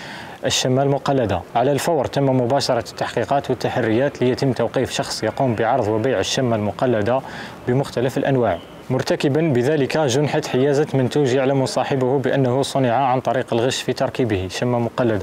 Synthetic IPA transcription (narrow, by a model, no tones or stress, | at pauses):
ʔəʃːəmːælmʊqɑlːæd̪aʕalælfɑwɾˤt̪əmːmʊbæʃɑɾˤɑt̪ːaħqiqɑt̪wət̪ːaħarːəjæt̪lijət̪əmːt̪æwqifʃɑxsˤjɑqumbəʕɑɾˤðˤwəbajʕəʃːæmːælmʊqɑlːæd̪abəmʊxt̪æləfəlʔænwaʕ | mʊɾˤt̪akəbənbəðæləkæʒʊnħat̪ħəjæzæt̪mənt̪uʒjaʕlæmsˤɑħəbʊhʊbəʔənːəhusˤʊnəʕaʕant̪ˤɑɾiqəlɣəʃːfit̪ɑɾˤkibəhiʃæmːæmʊqɑlːəd̪a